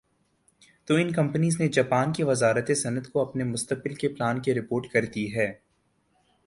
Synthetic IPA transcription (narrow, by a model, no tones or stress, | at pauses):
t̪oːɪnkɐ̃mpəniːzned͡ʒɐpaːnkeʋɐzaːɾət̪esɐnət̪koɐpnemʊst̪əq̚bɪlkeplaːnkeɾɪpoːɾʈkɐɾd̪iɦɛː